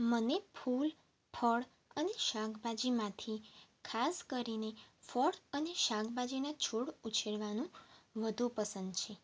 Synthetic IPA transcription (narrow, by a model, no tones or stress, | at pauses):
mənepʰul | pʰəɭ | əneʃaɡbad͡ʒimãt̪ʰikʰaskəɾinefʰɔɽəneʃaɡbad͡ʒinat͡ʃʰoɽut͡ʃʰeɽʋanũʋəd̪ʱupəsənd̪t͡ʃʰe